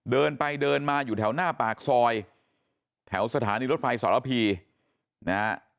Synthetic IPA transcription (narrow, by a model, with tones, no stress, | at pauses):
dɤː˧npa˧jdɤː˧nmaː˧juː˨˩t̪ʰɛ˩˦wnaː˥˩paː˨˩k̚sɔː˧j | t̪ʰɛ˩˦wsa˧t̪ʰaː˩˦niː˧ɾo˦˥t̪̚fa˧jsa̰ː˨˦la˦˧˩pʰiː˧ | na˦˥